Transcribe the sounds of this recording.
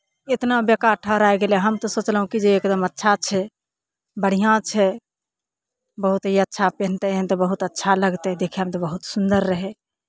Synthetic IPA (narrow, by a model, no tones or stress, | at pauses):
et̪nabjəkaɾʈʰəɦɾaeɡelɛɦəmt̪ɔsoːt͡ʃləɦũkid͡ʒeekd̪əmətːʃʰat͡ʃʰɛ | bəɽ̤ijãt͡ʃʰɛ | bəɦut̪ɦiətːʃʰapent̪ɛɦɛ̃t̪ɔbəɦut̪ətːʃʰaləɡt̪ɛd̪ekʰɛɦəmt̪ɔbəɦut̪sund̪əɾːəɦɛ